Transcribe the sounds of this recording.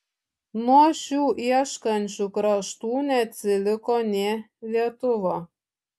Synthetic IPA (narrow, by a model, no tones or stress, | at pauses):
nuɔʃʲuːʔiɛʃkɐnʲt͡ʃʲukɾɐʃt̪uːnʲɛt̪ʲsʲɪlʲɪkonʲe | lʲiɛt̪ʊʋo